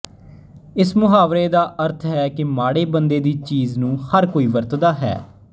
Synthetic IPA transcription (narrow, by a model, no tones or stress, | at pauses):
ɪsmʊɦaːʋɾeːd̪aːʔəɾt̪ʰɦɛːkɪmaːɽeːbənd̪eːd̪iːt͡ʃiːznũːhəɾkoːiːʋəɾt̪d̪aːɦɛ̰ː